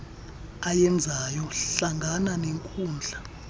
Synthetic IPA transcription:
ajɛnd͡zʱajɔɬaŋʱananeŋkʼuːnd͡ɮʱa

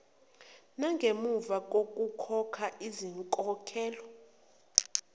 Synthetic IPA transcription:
naŋɡʱemuvak̬ʼok̬ʼukʰɔkʰaʔiziŋkʼɔkʰɛːlɔ

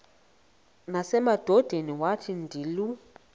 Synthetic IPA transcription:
nasɛmad̥ʱɔd̥ʱeniwatʰindʱilu

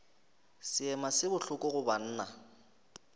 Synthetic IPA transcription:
sɪɛmasɪbʊɬʊkʼɔɣʊban̩ːna

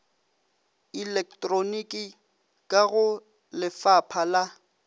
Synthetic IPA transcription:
ilɛk̚tʼronikʼi | kʼaɣʊ | lɪfapʰala

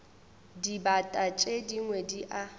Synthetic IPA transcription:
dibatʼat͡ʃʼediŋwediʔa

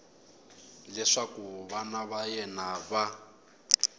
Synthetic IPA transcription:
lɛʂakuβanaβajɛnaβa

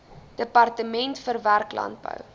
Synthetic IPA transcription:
d̥əpɑrtəmɛntfərværklɐ̰nt̚bə̰w

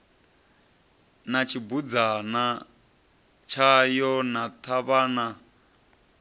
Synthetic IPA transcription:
nat͡ʃʰibud͡zana | t͡ʃʰajɔnat̪ʰaβana

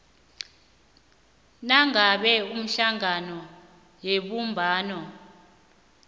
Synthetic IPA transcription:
naŋaɓɛum̩ɬaŋanɔ | jeɓumbʱaːnɔ

